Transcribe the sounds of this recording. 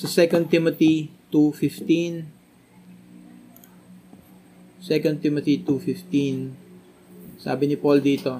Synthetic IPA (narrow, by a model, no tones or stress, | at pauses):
sɐsɛkɐn̚t̪ɪmot̪it̪ufɪft̪in | sɛkɐn̚t̪imot̪it̪ufɪft̪in | sa̰ːbɪnɪpold̪iːt̪o̞